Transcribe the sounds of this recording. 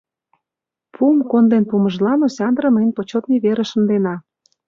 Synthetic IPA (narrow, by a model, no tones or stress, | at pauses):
pʰumkond̪enpumə̆ʒlɑnosʲɑnd̪ɾə̆məjnpot͡ɕot̪nʲiβeɾeʃə̆nd̪enɑ